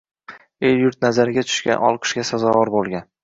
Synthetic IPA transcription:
ejjʊɾt̪̚nazaɾɪɡʲat̪ʰʊ̥ʃɡʲa̰nɒ̰lˠqʰɨ̥ʃɡʲasazɒvɒɾbolˠɡʲan

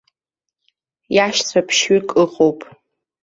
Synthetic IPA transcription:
jaʃt͡sʷʰapʰʃɥikʼɨqʼowpʼ

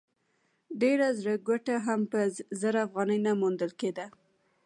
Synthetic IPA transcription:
ɖeɾazɾəɡaʈaɦampəzəɾafɣɑnəjnamund̪əlked̪a

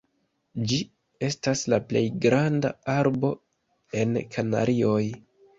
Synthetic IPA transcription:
d͡ʒi | e̞staslaple̞̰jɡɾandaaɾbo̞ | e̞nkʰana̰ɾio̞j

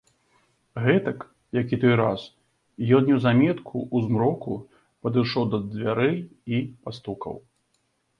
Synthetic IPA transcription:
ɣɛt̪ɐk | jakʲit̪ɔjɾas | jɔnnʲɛwzamʲɛt̪kʰuʔuzmɾɔku | pɐd̪ɨʂɔwd̪ɐd͡zzʲvʲaɾɛjipast̪ukɐ̰w

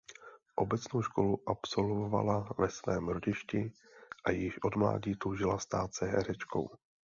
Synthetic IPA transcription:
ʔo̞bɛt͡snowʃko̞luʔapso̞lvova̰lavɛsvɛːmɾoɟɪʃcɪ | ʔajɪʃʔo̞dmla̰ːɟiːt̪uʒɪlast̪aːt̪sɛɦɛ̰ɾɛt͡ʃko̞̰w

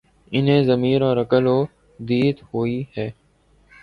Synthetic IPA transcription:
ɪnɦẽːzəmiːɾɔːɾəkəloː | d̪iːt̪hoːihɛː

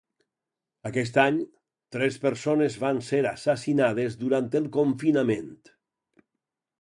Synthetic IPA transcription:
akɛst̪aɲ | t̪ɾɛspeɾsonezβanseɾasasinað̞ezðuɾant̪elˠkoɱfinament̪

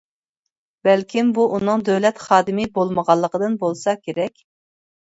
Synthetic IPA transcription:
b̥ɛlkʲimbuʔunɨŋd̪øwlɛt̪χɑːd̪ɨmɨbolˠməʁɑlˠːəqəd̪ɨnbolˠsɑkʲʰeɾɛkʲ

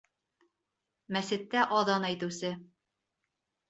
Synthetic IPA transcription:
mæsɘ̆t̪ːæʔɒðɑnæjt̪ɘ̆sɘ

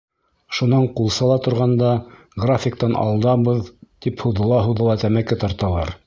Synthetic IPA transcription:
ʃunɑɴqulˠsɑlˠɑt̪ŏɾʁɑnd̪ɑ | ɡrafʲɪk̚t̪ɑnʔɑ̰lˠd̪ɑbɤðt̪iphuðɤ̆lˠɑɦuwðɤ̆lˠɑt̪æmækɘt̪ɑɾt̪ɑlˠɑɾ

